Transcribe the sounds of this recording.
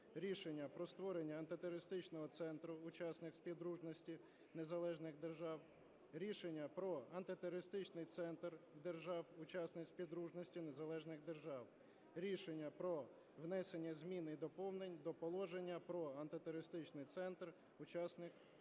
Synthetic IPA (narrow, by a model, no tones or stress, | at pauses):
ɾʲiʃenʲːɐpɾɔst̪ʋɔɾenʲːɐɐnt̪ɪt̪eɾɔɾɪst̪ɪt͡ʃnɔɦɔt̪sɛnt̪ɾʊʊt͡ʃɑsnɪkspʲiwd̪ɾuʒnɔsʲtʲi | ne̞zɐlˠɛʒnɪxd̪erʒɑw | ɾʲiʃenʲːɐpɾɔɐnt̪ɪt̪eɾɔɾɪst̪ɪt͡ʃnɪjt̪sɛnt̪rd̪erʒɑwʊt͡ʃɑsnɪkspʲiwd̪ɾuʒnɔsʲtʲinezɐlˠɛʒnɪxd̪erʒɑw | ɾʲiʃenʲːɐpɾɔ | ʋnɛsenʲːɐzʲmʲinid̪ɔpɔwnenʲd̪ɔpɔlˠɔʒenʲːɐpɾɔɐnt̪ɪt̪ɔɾɾɪst̪ɪt͡ʃnɪjt̪sɛnt̪r | ʊt͡ʃɑsnɪk